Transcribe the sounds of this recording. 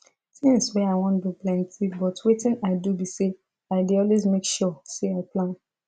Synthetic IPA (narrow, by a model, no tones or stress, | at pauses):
tɛ̃ŋswɛaɪwɔ̃ntbiplɛ̃ntʰibɔtwetɪ̃naɪdubise | aɪdeɔlwezmekʃɔseaɪplãn